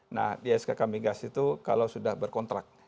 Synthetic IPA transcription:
na̰hdiaskakamiɡasit̪uka̰lasudahbərkɔnt̪ɾak̚

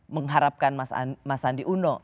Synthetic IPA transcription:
məŋɦaɾap̚kanmasa̰masandiʔunɔ

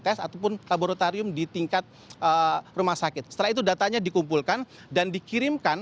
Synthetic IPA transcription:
t̪ɛsat̪awp̬ʊnlaboɾot̪aɾiʊmdit̪iŋkat̪̚ | ʔərumahsakɪt̪̚sə̥t̪əlait̪udat̪aɲadikumpulkan | dandikiɾɪmkan

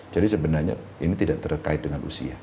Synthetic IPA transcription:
d͡ʒadisəbənarɲa̰ | init̪idaʔt̪ərkaɪt̪̚dəŋanʔṵsḭa̰h

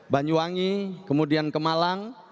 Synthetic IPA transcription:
baɲd͡ʒuaŋikəmudiankəmalaŋ

